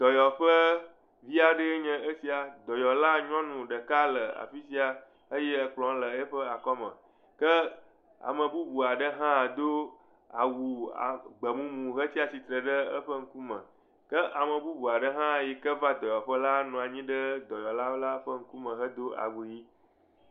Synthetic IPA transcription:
d̪̥ɔ˨jɔ˨ɸə˦ | vi˦a˨ɖə˦e˦ɲɛ̃˦ʔə˦si˦a˨d̪ɔ˨jɔ˨la˦ɲ˦ɔ̃˦nũ˨ɖə˨ka˦lə˨a̰˨fi˦si˦a˨ | ə˦jɛ˦ə˨k͡plɔ̃˨˦lə˨e˦ɸə˦a˨kɔ˦mə̰̃˨ | kə˦ | a̰˨mə̃˨bu˦bu˨a˨ɖə˦ɦã˦˨d̪o˦ | a̰˨wu˨a̰˨ɡ͡bə˨mũ˦mũ˨ɦə˦t̪i˦a˨si˨t̪ɾə˨ɖə˦ə˦ɸə˦ŋ̩˦ku˦mə̰̃˨ | kə˦ʔa˨mə̃˨bu˦bu˨a˨ɖə˦ɦã˦˨ji˨kə˦va˦d̪ɔ˨jɔ˨ɸə˦la˦nũ˨a˨ɲĩ˦ɖə˦d̪ɔ˨jɔ˨la˦la˦ɸə˦ŋ̩˦ku˦mə̃˨ɦə˦d̪o˦a̰˨wu˨ji˦

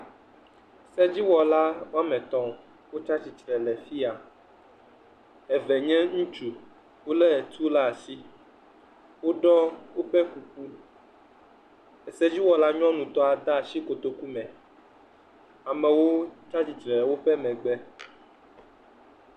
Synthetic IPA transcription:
sɛ˦d͡ʑi˦wɔ˨la˦wo˦a˦mɛ̃˨t̪ɔ̃˨ | wo˦t͡ʃa˦t͡ɕi˨tɾɛ˨lɛ˨fi˦a˨ | ɛ˨vɛ˨ɲɛ̃˦ŋũ˦t͡ʃu˨ | wo˦lɛ˦˨t̪ʰu˦la˦a˨si˦ | wo˦ɖɔ˦wo˦ɸɛ˦ku˨p̚u˦ | ɛ˨sɛ˦d͡ʑi˦wɔ˨la˦ɲɔ̃˦nũ˨t̪ɔ˦a˨d̪a˦˨ʃi˦ko˨t̪o˦ku˦mɛ̃˨ | a˨mɛ̃˨wo˦t͡ʃa˦t͡ɕi˨tɾɛ˨wo˦ɸɛ˦mɛ̃˨ɡ͡bɛ˦

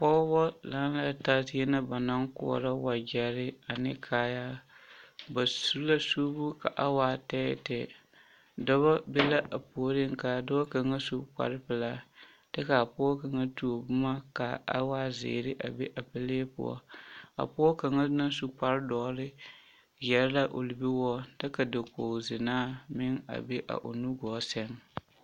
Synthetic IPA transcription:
pɔː˦bɔ˦la˦la˦ta˦tɪ˦jɛ˦na˦ba˨na˦ŋkɔ̰˦˨ɾa˦wa˨d͡ʒɛ˨ɾɪ˦a˨nɪ˦kʰaː˨ja˦ | ba˨su˦la˦suː˦bu˦ka˨ʔa˦waː˨tɛ̰ː˦˨tɛ˨ | dɔ˦βa˦be˦la˦ʔa˨po˨˦ɾɪ˦ŋ˨ka˨dɔ˦a˦ka˨ŋa˦su˦k͡pa̰˨ɾɪ˦pɨ˨la˦ | tɛ˦ka˨a˨pʊ˦ɔ˦ka˨ŋa˦tu˨o˨bʊ˦ma˦ka˨a̰˦waː˦zḛː˨ɾɪ˦ʔa̰˨be˦ʔa˨pɨ˦le˦pʊ̰˦˨ɔ̰˦a̰˨pʊ˦ɔ˦ka˨ŋa˦na˦su˦k͡pa˦ɾdɔː˨˦ɾɪ˦ | jɛ˨ɾla˦ʔo˨lɪ˨bi˦wɔ˦tɛ˦ka˨dɪ˨ko˨zɪ˨naː˦mɪ˦ŋa̰˨be˦ʔa̰˨ʔo̰˨nu˦ɡɔː˨˦sɛ˦ŋ

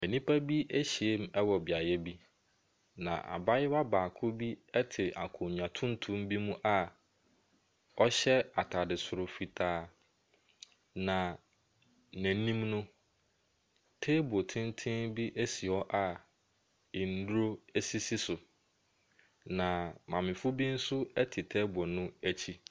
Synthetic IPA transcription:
ɛ˨nĩ˦pʰa˦bi˦ʔe˦ɕi˨e˦m̩˦ɛ˦wɔ˨bɪ˨a˨jɛ˦bi˦ | nã̰˨ʔa̰˨ba˦jɪ˦wa˦baː˨kʰʊ˦bi˦ɛ˦tʰɪ˨ʔa̰˨kʰʊ̃˨ɲ˨ã˨tʰʊ̃˦n˦tʰũ˦mbi˦mũ˦ʔa˦ | ɔ˦ɕɛ˦a˨tʰa˨dɪ˨sʊ˨ɾʊ˨fi˨tʰaː˨ | nã˨ | næ̃˨˦nĩ˦mnʊ̃˦ | tʰe˦bo˨tʰɪ̃˦n˦tʰɪ̃˦nbi˦ʔæ˦si˨ɔ˦ʔa˨ | ɪ˨n̩˦du˦ɾo˦æ˦si˦si˦sʊ˨ | nã˨mã˨mɪ̃˨fʊ˦bi˦n̩˦sʊ˦ɛ˦tʰɪ˨tʰɛ˦bɔ˨nʊ̃˦æ˦t͡ɕʰi˦

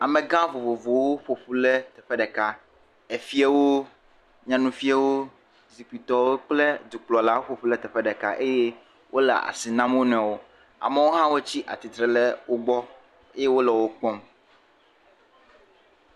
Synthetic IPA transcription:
a˨mɛ̃˨ɡã˦vo˨vo˨vo˨wo˦ɸo˨ɸu˦lɛ˦t̪ɛ˨ɸɛ˦ɖɛ˨ka˦ | e˨fi˦a˦wo˦ | ɲã˦nũ˦fi˦a˦wo˦ | zi˨ki˨t̪ɔ˨wo˦k͡ple˦d̪u˨k͡plɔ˨la˦wo˦ɸo˨ɸu˦lɛ˦t̪ɛ˨ɸɛ˦ɖɛ˨ka̰˦ʔe˦je˦ | wʔo˦lɛ̰˨a̰˨si˨nã˦mwo˦nɛ̃˨wo˦ | a̰˨mɛ˦wo˦ɦã˦wo˦t͡ɕi˦ʔa̰˨t̪i˨t̪ɾɛ˨lɛ˦wo˦ɡ͡bɔ˦ | e˦je˦wo˦lɛ˨wo˦k͡pɔ˦m

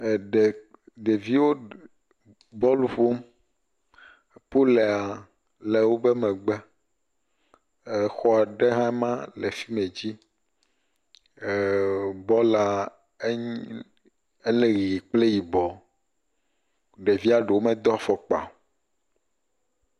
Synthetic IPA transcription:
ɖe˨ | ɖe˨vi˦wo˦ | bɔ˦lu˦ɸo˦m˨ | po˦le˨a˨ | le˨wo˦be˦mɛ̃˨ɡ͡bɛ˦˨ | xɔ˨a˨ɖe˦ɦã˦ɛ˦mã˦le˨fi˦mẽ˨d͡ʑi˦˨ | bɔ˦la˨˦ | e˦le˦ɣi˨i˨k͡ple˦ji˨bɔ˨ | ɖe˨vi˦a˨ɖe˨wo˦mɛ̃˨d̪ɔ˦fɔ˨k͡pa̰˨

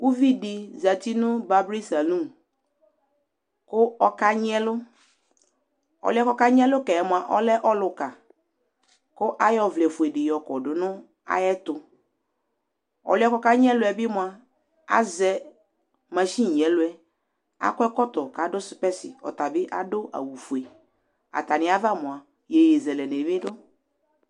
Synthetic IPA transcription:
u˦vi˦dɪ˨za˨ti˦nʊ̃˦ba˨bɾi˦sa˨lũ˦m | kʊ˦ɔ˦ka˦ɲ˦ɛ˦lʊ˦ | ɔ̰˨lʊ˦ɛ˦kɔ˦ka˦ɲ˦ɛ˦lʊ˦kɛ˨ɛ˨mʊ˨a˨ʔɔ˦lɛ˦ʔɔ˦lʊ˨ka˨ | kʊ˦ʔa˦jɔ˦vlɛ˨fʊ˨ɛ˨dɪ˨jɔ˨kɔ˨dʊ˨nʊ̃˦ | a̰˦jɛ˦t̪ʊ˨ | ɔ̰˨lɛ˦kɔ˦ka˦ɲ˦ɛ˦lʊ˦ɛ˨bɪ˦mʊ̃˨a˨ | a̰˦zɛ˦ | mã˨ʃi˦˨ɲ˨ɛ˨lʊ˦ɛ˨ | a̰˦kʊ˦ɛ˦kɔ˦t̪ɔ˨ka˨dʊ˦sɪ˨pɛ˦sɪ˨ɔ̰˨t̪a˨bɪ˦ʔa˦dʊ˦a̰˨wu˨fu˨e˨ | a̰˨t̪a˨nɪ̃˨˦a˦va˦˨mʊ̃˨a˨ | je˨je˨zɛ˨lɛ˨ne˨mɪ̃˦dʊ˦

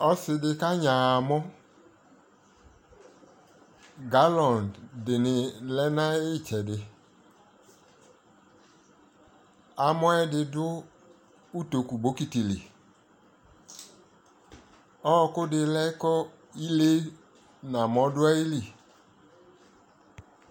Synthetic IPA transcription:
ɔ˦sɪ˨dɪ˨ka˦ɲã˨a˨mɔ˦ | ɡa˨˦lɔ̃˨nddɪ˨nɪ˨lɛ˦nã˦ɪ˦˨t͡ʃɛ˨dɪ˨ | a˨mɔ˦ɛ˦dɪ˨˧dʊ˦ | u˦to˨ku˨bo˦ki˨ti˨lḭ˨ | ɔ˦˧kʊ˦dɪ˨lɛ˦kɔ˦ | i˦le˦ | nã˨mɔ̃˨˦dʊ˦ɛ˦i˦li˨

